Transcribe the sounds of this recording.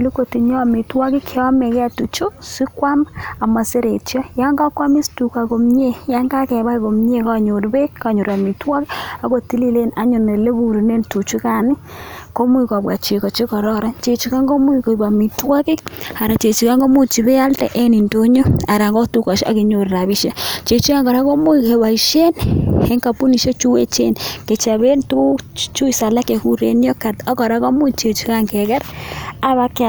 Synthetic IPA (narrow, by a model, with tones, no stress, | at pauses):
lu˦ko˨ti˨ɲɔ˦˨mi˨twɔ˦ki˦kʰe˦ɔ˦me˨kɛ˦a˦tu˨t͡ʃo˦si˦kwa˦ma˨ma˨se˦ɾe˨t͡ʃjɔ˦ja˦ŋɡa˦kwa˦mi˦stu˨ka˨ko˨mɲe˦ja˦ŋɡa˦kɛ˨βa˦iko˨mɲe˦ka˦ɲo˨ɾbe˦ka˨ɲo˨ɾa˨mi˨twɔ˦ki˦a˨˦ko˨ti˦li˦le˦na˦ɲu˨ne˨le˦ku˨ɾu˨ne˦ntu˨t͡ʃu˦ka˨nɪ˦ko˦m˦i˨ka˨bwa˨t͡ʃe˨kɔ˨t͡ʃi˦kɔ˨ɾɔ˦ɾa˦t͡ʃe˨t͡ʃi˨ka˦ŋɡo˦mwi˦ko˨ba˨mi˨twɔ˦kɪ˦a˨ɾa˨t͡ʃe˨t͡ʃi˨ka˦ŋɡo˦mu˦t͡ʃi˨bɛ˦a˦ltɛ̰˨ʔe˦ni˨nto˦ɲo˦a˨ɾa˨ŋɡɔ˦tu˦ka˨ʃa̰˦ki˨ɲo˨ɾra˨βi˦ʃe˦t͡ʃe˨t͡ʃi˦ka˦ŋɡɔ˨ɾa˦ko˦mu˦i˨ke˨wa˨i˨ʃe˦ne˦ŋka˨pu˦ni˨ʃe˦t͡ʃu˦we˦t͡ʃḛ˦nke˨t͡ʃa˨βe˦ntu˦t͡ʃu˦i˨sa˨la˦ke˨ku˦ɾḛ˦n˦ɔ˦ka˨tɔ˦kɔ˨ɾa˦ko˦mu˦t͡ʃe˨t͡ʃi˦ka˦ŋkɛ˨kɛ˦ɾa˦βa˦ka˨